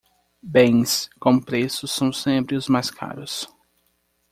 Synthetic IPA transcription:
bẽj̃skõpɾesʊsːɐ̃w̃sẽmpɾɪʊzmajskʰa̰ɾʊs

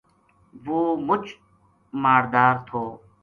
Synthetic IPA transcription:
ʋoːmʊt͡ʃ | maːɾd̪aːɾt̪ʰoː

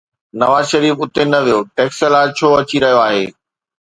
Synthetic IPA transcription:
nɐʋaːzʃɐɾiːfʊt̪enɐʋijoːʈeːksəlaːɪt͡ɕʰoːɐt͡ɕiɾɐɦijoaːɦeː

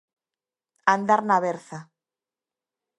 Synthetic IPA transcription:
and̪aɾnaβeɾθa

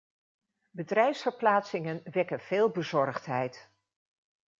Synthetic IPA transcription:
bədrɛjfsfəɹplaːtsɪŋənʋɛkənv̥ɪːlˠbəzɔɹχtɦɛjt

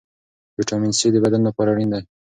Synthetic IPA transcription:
viʈɑminsed̪əbad̪anlapɑɾaɽind̪aj

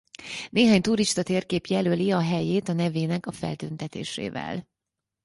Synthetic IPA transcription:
neːɦaːɲt̪uɾiʃt̪ɒt̪eːrkeːpjɛløːliɒɦɛjeːt̪ɒnɛveːnɛkɒfɛ̰lt̪ønt̪ɛt̪ḛːʃḛːvɛ̰l

